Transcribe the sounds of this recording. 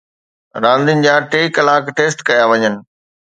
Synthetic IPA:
ɾãːnd̪ɪnɪ̆d͡ʑaːʈeːikəlaːkʈeːsʈkɐjaʋɐɲənɪ̆

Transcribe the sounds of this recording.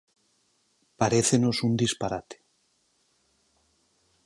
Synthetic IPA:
paɾeθeno̞sund̪ispaɾat̪e̥

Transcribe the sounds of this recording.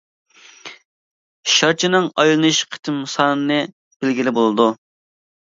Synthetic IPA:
ʃɑɾt͡ʃʰinɨŋɑjlˠɨnɨʃqʰə̥t̪ʰɨmsɑnɨnɨ | b̥ɪlɡʲilɪbolˠɨd̪u

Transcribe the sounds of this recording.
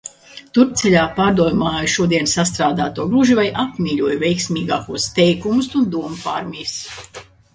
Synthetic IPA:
t̪uɾp̚t̪sɛlʲaːpaːɾd̪uɔjumaːjuʃuɔd̪iɛnsast̪ɾaːd̪aːt̪uɔɡɾuʒivajʔapmʲiːʎʲuɔjuvʲɛjksmʲiːɡaːkuɔst̪ɛjkumusund̪uɔmpaɾmʲijs

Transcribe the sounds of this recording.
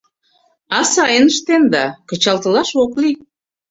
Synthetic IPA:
ɑsɑjənəʃt̪end̪ɑkə̆t͡ɕɑlt̪ə̆lɑʃokli

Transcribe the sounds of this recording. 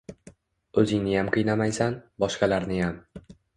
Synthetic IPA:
ɵzɪŋnɪjamqʰɨjnamajsanbɒʃqɑlaɾnɪjam

